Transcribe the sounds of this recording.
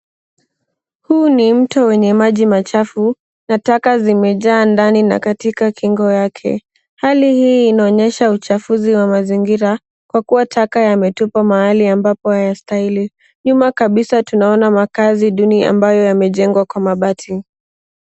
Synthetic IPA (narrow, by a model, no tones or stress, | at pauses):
huːnim̩tɔwɛɲɛmaʄimat͡ʃafu | natakazimɛʄaːndanina̰katikakiŋɡɔjakʰɛ̰ | halihiːnaɔɲɛʃaut͡ʃafuziwamaziŋɡiɾa | kwakuwatʰakajamɛtupamahaliambapɔhajastaili | ɲumakaɓisatunaɔnamakaziɗunia̰mbajɔjamɛʄɛŋɡwakwamaɓatʰi